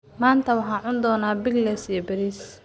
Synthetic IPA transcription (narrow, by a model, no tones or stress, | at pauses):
maːnt̪ʰɐwɑħɑːʕʊnd̪ɔːnaːbɪɡlɛsijɔbɛɾiːs